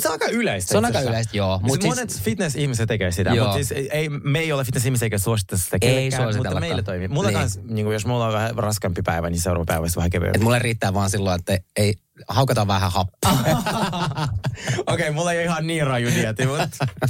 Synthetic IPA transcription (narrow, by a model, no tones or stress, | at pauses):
seɑikɑyleist̪seonɑkɑylest̪joːmuonet̪fit̪nesihmiset̪ekeːsit̪æjouːsiːseimeiolːefit̪nesihmiseikæsuosit̪ːsi̥t̪ækeisːæːosimut̪ːlːmeillːet̪oimimut̪ɑkɑnsniːŋkujosmulːoʋæhærɑskɑmpipæiʋæniseʊrɑ̰ʋɑ̰pæiʋæst̪ʋæhækeʋḛet̪mulːeriːt̪ːæːʋʋɑːnsilːoet̪ːæei | hɑukɑt̪ɑʋʋæhæ̰hɑpːɑː | okeimulːejoihɑnniːrɑjuniɑt̪imut̪